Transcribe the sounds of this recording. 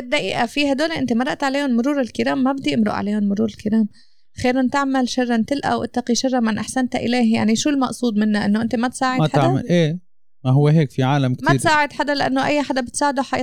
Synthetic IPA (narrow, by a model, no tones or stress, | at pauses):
ɪd̪ːaʔḭːʔafiːhad̪oːleʔɪnt̪emɑɾˤɑʔt̪ʕaleːhʊnmʊɾuːɾɪlkɪɾaːmːabɪd̪ijʔɪmɾʊ̰ʔʕa̰leːhʊnmʊɾuːɾɪlkɪɾaːm | xeːɾɪnt̪ɪʕmalʃɑrˤːant̪ɪlʔa̰wʔɪ̰t̪ːɑqiʃɑrˤːɑmɪnʔaħsant̪aʔɪ̰leːhja̰ʕniʃuːlmɑʔsˤuːd̪ˤmɪnːaʔɪnːoʔɪnt̪emat̪saːʕɪaaʕma̰lʔeː | maɦʊwːeɦeːkfiʕaːlamk̪maiːsaːʕɪd̪ħad̪alɪʔanːoʔajːaħad̪abɪt̪saːʕɪd̪oħajː